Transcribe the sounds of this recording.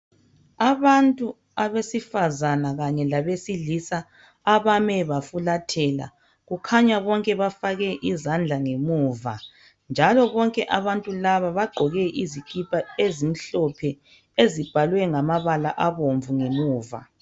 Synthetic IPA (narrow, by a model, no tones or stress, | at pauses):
aβantʼu | aβesifazanaɣaɲɛlaβesilisaː | βamɛβafulatʰɛla̰ | ɣukʰaɲaβɔŋkʼɛβafaɣɛʔizand͡ɮʱaŋemuːva | nd͡ʒʱalɔβɔŋkʼɛʔaβantʼulaβaβaɡ͡ǃʱɔɣɛʔizikʰʼipʼaezim̩ɬɔpʰɛ | ezib̥ʱalwɛŋamaβalaʔaβoɱvuŋemuːva̰